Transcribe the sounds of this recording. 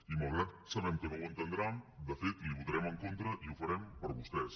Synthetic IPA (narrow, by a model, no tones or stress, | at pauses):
imalˠɣ̞ɾat̪̚səβɛmkənɔwənt̪ənd̪ɾand̪əfet̪liβut̪ɾɛməŋkont̪ɾəʔiufəɾɛmpəɾβust̪ɛs